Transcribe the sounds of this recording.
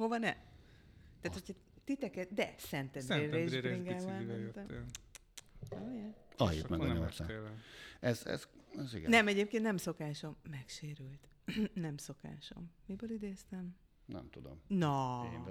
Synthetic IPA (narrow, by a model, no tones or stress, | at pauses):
ho̞vɒnɛ | t̪aːt̪hocʰɒ | t̪it̪ɛkɛtd̪ɛsɛnt̪ɛd̪eːɛeʒiŋɡɛlʋamɛnt̪ɛ | ojɛɒjḭt̪mɛɡɒɲosa̰ | ɛzɛ̰zɛziɡɛ̰nɛmɛɟeːpkeːnnɛmso̞kaːʃo̞mːɛkʃeːɾylt̪ | nɛmso̞ka̰ːʃo̞̰mːibøːlid̪eːst̪ɛm | nɛ̰mt̪ud̪o̰mnɒ